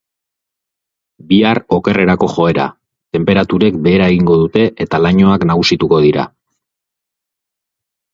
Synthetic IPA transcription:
biaro̞ke̞re̞ɾako̞xo̞e̞ɾa̰ | t̪e̞mpe̞ɾat̪uɾe̞k̚be̞ːɾaeɣiŋɡo̞ðut̪e̞ʔet̪alaɲo̞aknaɣ̞usit̪uko̞ðiɾa̰

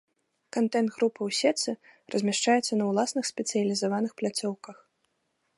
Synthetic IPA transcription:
kant̪ɛnd̪ɣɾupɐwsʲɛt̪sɨrʔɐzʲmʲaʂt͡ʂajɛt̪sːɐnɐwlˠasnɨxsʲpʲɛt̪sɨjɐlʲizavanɨxplʲat̪sʲɔwkɐx

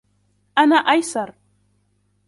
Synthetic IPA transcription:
ʔanaːʔajsɑɾˤ

